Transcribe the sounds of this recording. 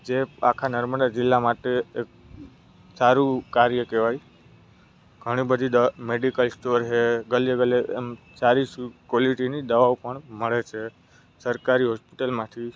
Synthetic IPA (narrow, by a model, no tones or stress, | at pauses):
d͡ʒeakʰanəɾməd̪ad͡ʒɪlːamaʈeːk̚ | saɾukaɾjəkeʋaj | ɡʱəɽ̃ibəd̪ʱid̪əmeɖikəlsʈoɾɦeɡəleɡəleːm | saɾiskɔliʈinid̪əʋaʋpəɳməɭet͡ʃʰe | səɾkaɾiɦɔspiʈəlmãt̪ʰi